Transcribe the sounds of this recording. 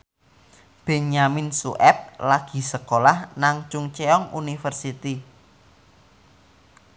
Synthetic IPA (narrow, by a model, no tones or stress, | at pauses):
b̥e̤naminsuʔɛp̚laɡ̥i̤səkolahnaŋt͡ʃʊŋt͡ʃeɔŋṵnifərsit̪i